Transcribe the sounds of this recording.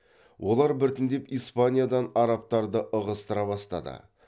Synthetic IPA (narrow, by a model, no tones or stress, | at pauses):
wʔo̞lˠɑɾbɪɾt̪ɪnd̪e̞pijspanʲijad̪ɑnɑɾɑp̚t̪ɑɾd̪əʔəʁəst̪əɾɑbɑst̪ɑ̰d̪ə̰